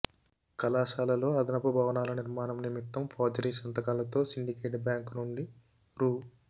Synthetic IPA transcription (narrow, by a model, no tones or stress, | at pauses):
kɐlaːʃaːlɐlo̞ːɐd̪ɐnɐpɐbʱɐːʋɐnaːlɐniɾmaːnɐmnimit̪ːɐmpʰaːd͡ʒɐɾiːsɐnt̪ɐkaːlɐt̪o̞ːsiɳɖikeːʈbjaːŋknuɳɖi | ɾuː